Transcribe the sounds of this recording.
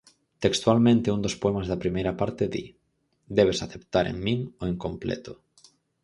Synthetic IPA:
t̪ekst̪walmẽnt̪eund̪ospoɛmazðɐpɾimejɾapaɾt̪eðḭ | d̪ɛβesaθept̪aɾḛŋmiŋoeŋkomplɛ̰t̪ʊ

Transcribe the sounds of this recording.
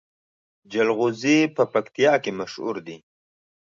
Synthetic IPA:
d͡ʒalɣuzipəpakt̪ijɑkemaʃhṵɾd̪i

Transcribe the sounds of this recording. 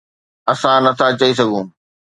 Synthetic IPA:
ɐsãnɐt̪ʰat͡ɕɐisɐɡʱũː

